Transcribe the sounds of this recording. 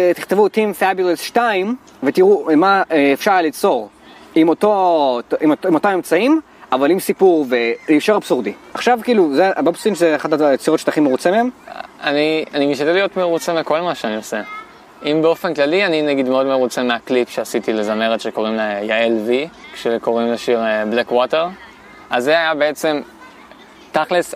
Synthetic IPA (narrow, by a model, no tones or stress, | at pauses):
t̪i̥χt̪evut̪imfabilesʃtaim | ve̞t̪iʁumaːfʃaʁlit͡so̞ʁ | imot̪o̞tʔimotimot̪amemt͡saim | avalimsipuʁvelifʃoʁab̥suʁdiaχʃavkiːluzebbsudimʃzeaχadat͡siʁotʃe̥taχimeʁut͡semeemanianimiʃtat̪delijo̞t̪meʁut͡semeko̞lmaʃeanio̞se | imbeo̞fenklalianinaɡid̪meo̞d̪meʁut͡semeaklipʃeasitilezame̞ʁet̪ʃeko̞ʁimlejaelvikʃeko̞ʁimleʃiʁblekwoteʁ | ʔazeajabeet͡se̞m | t̪aχles